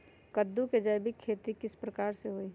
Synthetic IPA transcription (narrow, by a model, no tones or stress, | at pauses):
kəd̪ːuked͡ʒəjbikʰːeːt̪ikɪspɾəkaːɾseɦoiː